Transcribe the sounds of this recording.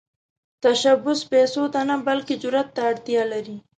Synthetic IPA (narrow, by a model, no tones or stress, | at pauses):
t̪aʃabʊspɛsod̪anabalked͡ʒʊɾat̪ːaːɽt̪jɑlaɾi